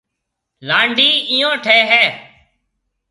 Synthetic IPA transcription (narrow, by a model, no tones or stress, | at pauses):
laːɳɖʱiːĩjõːʈʰeːɦɛː